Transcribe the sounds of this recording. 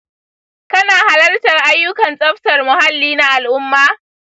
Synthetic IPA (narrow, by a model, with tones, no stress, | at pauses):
kɐ˦naː˨ha˦lɐ˦rtɐ˨rʔa˦jːʊ˦kɐ˨nsʼɐ˦ɸtɐ˨rmʊ˨ha˦lːiː˦na˦ʔa˨lʔʊ˦mːaː˦